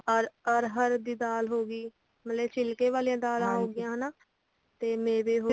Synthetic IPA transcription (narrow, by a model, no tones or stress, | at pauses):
əɾəɾɦəɾd̪iːd̪aːlɦoːɡiː | mət̪lɛːt͡ʃʰɪlkeːʋaːliːãːd̪aːlãːɦoːɡɪjãːɦənaː | t̪eːmẽːʋeːɦoː